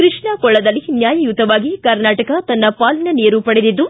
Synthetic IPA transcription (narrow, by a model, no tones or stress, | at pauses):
kɾiʂɳɐkɔɭːɐd̪ɐlːinjaːjɐjut̪ːɐʋaːɡikɐɾnaːʈɐkɐt̪ɐnːɐpaːlinɐneːɾupɐɽed̪id̪ːu